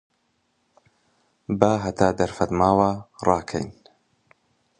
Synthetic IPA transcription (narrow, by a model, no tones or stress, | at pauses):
baːɦɐt̪ʰaːd̪ɐɾfɐt̪maːwarɑːkʰɐ̰jn